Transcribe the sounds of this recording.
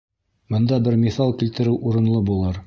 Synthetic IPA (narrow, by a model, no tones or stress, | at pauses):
bɤ̆nd̪ɑbɘɾmʲiθɑlˠkilt̪ɘ̆ɾɘwʔuɾɤ̆nlˠɤbulˠɤɾ